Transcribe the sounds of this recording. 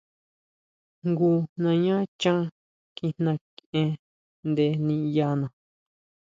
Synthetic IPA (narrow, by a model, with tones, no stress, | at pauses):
ŋɡu˧nã˧ɲã˦t͡ʃã˦ | ki˧n̥ã˧kʔẽ˧ | nd̪e˧nĩ˧ja˧nã˨